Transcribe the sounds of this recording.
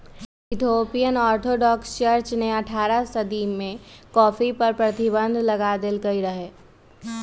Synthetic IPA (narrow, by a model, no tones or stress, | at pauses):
ɪt̪ʰoːpijənɔːɾt̪ʰoːɖɔːkst͡ʃɐɾt͡ʃneɐʈʰaːɾasɐd̪imẽkɔːfipɐɾpɾɐt̪ibə̃nd̪ʱlɐɡaːd̪ɪlkɐiɾɐɦeː